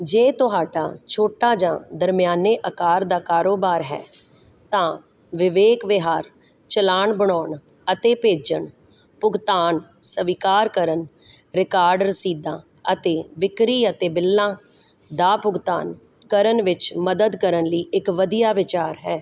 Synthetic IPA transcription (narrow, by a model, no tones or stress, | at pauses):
d͡ʒeːt̪ʊɦaːɖaːt͡ʃʰoːʈaːd͡ʒãːd̪əɾmɪjaːneːʔəkaːɾd̪aːkaːɾoːbaːɾɦɛ̰ː | t̪ãː | ʋɪʋeːkʋɪɦaːɾ | t͡ʃəlaːɳbəɳɔːɳ | ət̪eːpeːd͡ʒəɳ | pʊɡt̪aːnsəʋikaːɾkəɾən | ɾɪkaːɾɖəɾsiːd̪ãː | ət̪eːʋɪkɾiːət̪eːbɪlːãː | d̪aːpʊɡt̪a̰ːn | kəɾənʋɪt͡ʃməd̪əd̪kəɾənləiːɪkʋəd̪ijaːʋɪt͡ʃaːɾɦɛː